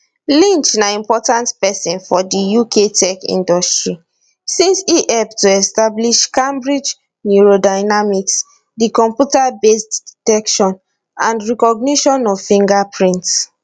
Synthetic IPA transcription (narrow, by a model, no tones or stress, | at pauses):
lĩnt͡ʃnaĩmpɔtãntpɛsĩnfɔdijukʰetʰɛkḭ̃ndɔstɹi | sĩnsiʔɛptːuɛstabliʃkẽmbɹid͡ʒ | njuɹodaɪnamiks | dikɔ̃mpjutabesdditɛkʃɔ̃n | ãndɹɛkɔɡniʃɔ̃nɔvfĩŋɡapʰɹĩnts